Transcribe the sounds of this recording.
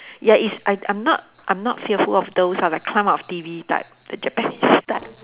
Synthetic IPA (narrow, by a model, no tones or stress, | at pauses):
jaʔisaɪʔã̰ɪ̃mnɔ̰t̚ | ʔãjmnɔtfiəfulɔfd̪osalaɪkʰlãmatɔftivida̰ | d̥əd͡ʒɛpɛ̃nissd̥a̰t̚